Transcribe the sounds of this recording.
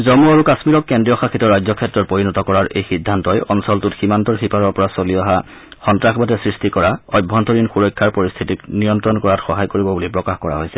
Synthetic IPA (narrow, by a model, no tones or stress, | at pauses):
zɔmuaɹukasmiɹɔkːɛndijɔxakʰitɔɹajzɔkʰɛtːɹɔt̚poɹinɔtɔkɔɹaɹejxidʱːantɔjɔnsɔltutximantɔɹxipaɹɔɹpɔɹasoliaɦa | xɔntɹaxbatɛsɹistikɔɹaɔjbʱɔntɔɹinxuɹɔjkʰːaɹpoɹist̪ʰitiknijɔntɹɔnkɔɹatxɔɦajkoɹibɔbulipɹɔkaxkɔɹa̰ɦojsɛ